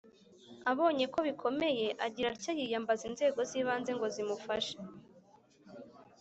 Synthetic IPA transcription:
aβo̞ːɲe̞ko̞βikʰo̞me̞je̞ʔaɟiɾaɾcajijambazinze̞ːɡo̞ziβaːnze̞ŋɡo̞zimufaʃe̥

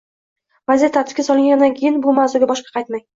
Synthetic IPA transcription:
vazet̪ʰːat̪ʰɪ̥pkʲasɒlˠɪŋɡʲand̪ankʲʰejɪnbʊmawzʊɡʲabɒʃqɑ̥qʰɑjt̪maj

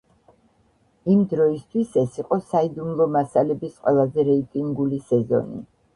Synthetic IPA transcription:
imd̪ɾɔist̪ʰwisɛsiqʼɔsaid̪umlˠɔmasalɛbisqʼwɛlˠazɛɾɛit̪ʼiŋɡulisɛzɔ̰nḭ

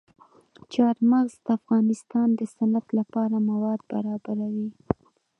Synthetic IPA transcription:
t͡ʃɑɾmaɣzd̪əafɣɑnɪst̪ɑnd̪əsanat̪lapɑɾamawɑd̪̚ba̰ɾɑbaɾawi

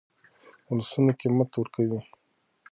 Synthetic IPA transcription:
ʊlasunokimat̪wʊɾkawi

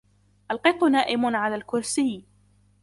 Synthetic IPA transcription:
ʔalqɨq̪ʊnaːʔɪmʊnʕalaːlkʊɾsiː

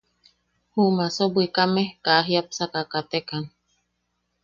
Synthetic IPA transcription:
humasobwikamekaʔaɦiapsakakat̪ekan

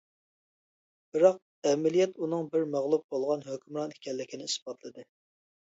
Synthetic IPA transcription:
b̥ɨɾɑq̚ | ɛmɪlijɛt̪unɨŋbɪɾmæʁlˠup̚bolˠʁɑnɦøkʲymɾɑni̥kʲʰɛlːɪkʲʰinɪisbɑt̪ʰlˠɨd̪ɨ

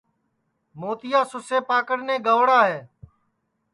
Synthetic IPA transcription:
moːt̪ɪjaːsʊseːpaːkəɽnẽːɡəʋɽaːɦeː

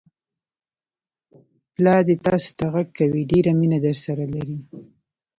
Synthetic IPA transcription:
plɑd̪et̪ɑso̥t̪aɣaɡ̚kawiɖeɾaminad̪əɾsaɾalaɾi

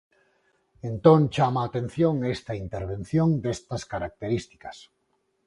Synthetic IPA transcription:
ent̪õŋt͡ʃamaːt̪en̟θjoŋest̪ɐint̪eɾβ̞ẽn̟θjoŋd̪est̪ɐskaɾak̚t̪eɾist̪i̥kɐs

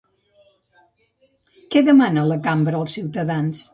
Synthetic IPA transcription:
kɛðəmanələkambɾəːlˠsiwt̪əðans

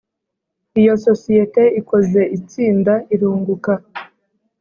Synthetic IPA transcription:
ijo̞so̞sijete̞iko̞ze̞ʔit͡siːndaʔiɾuːŋɡuka

